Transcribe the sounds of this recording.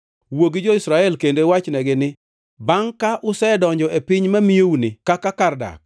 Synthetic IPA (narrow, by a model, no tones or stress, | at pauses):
woɡɪd͡ʒɔɪsɾaɛlkendowat͡ʃnɛɡɪnɪ | baŋkaʔʊsɛdɔɲd͡ʒɔʔepɪɲmamieunɪkakakarda̰k